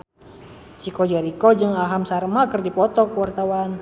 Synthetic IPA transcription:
t͡ʃikɔd͡ʒəɾikɔd͡ʒɨŋaɦamsarmakɨrdipɔt̪ɔkəwart̪awan

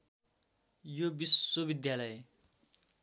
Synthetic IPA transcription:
jobiswobid̪jalʌje

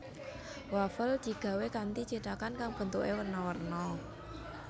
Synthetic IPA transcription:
wafəld̪̥i̤ɡ̥ä̤wekant̪it͡ʃeʈakankaŋb̥ə̤nt̪uʔewərnɔwərnɔ

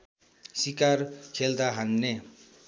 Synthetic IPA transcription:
sikarkʰeld̪aɦanːe

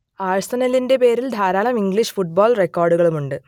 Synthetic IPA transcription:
aːɻɐst̪ɐnɐlinde̞pe̞ːɾild̪ʱaːɾaːlɐmiŋɡɭiʂɨ̥fuʈ̚boːlrekːoːrɖuɣɐɭumuɳɖɨ

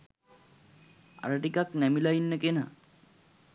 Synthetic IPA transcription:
a̰ɾəʈikaknɛmilainːəkenə̰

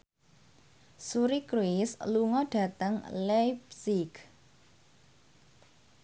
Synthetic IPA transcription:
suɾikɾuɪsluŋɔɖ̥ä̤t̪əŋlapsik

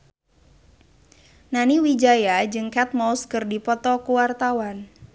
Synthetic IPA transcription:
naniwid͡ʒajad͡ʒɨŋkat̪̚mauskɨrdipɔt̪ɔkuwart̪awan

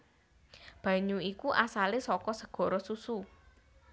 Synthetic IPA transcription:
b̥ä̤ɲuikuʔasalesɔkɔsəɡ̥ɔ̤ɾɔsusu

